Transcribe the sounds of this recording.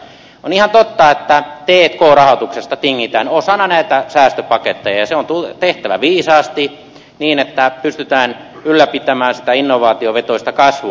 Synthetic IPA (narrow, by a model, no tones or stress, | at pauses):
onihɑnt̪ot̪ːɑet̪ːæt̪eːt̪koːrɑhot̪uksest̪ɑt̪iŋːit̪ænosɑnːɑnæit̪æsæːst̪øpɑket̪ːejɑjɑseont̪ut̪eht̪æʋæ̰ʋiːsɑːst̪i | niːnet̪ːæpyst̪yt̪æːn | ylːæpit̪æmæːnsi̥t̪æinːoʋɑːt̪ioʋet̪oist̪ɑkɑsʋu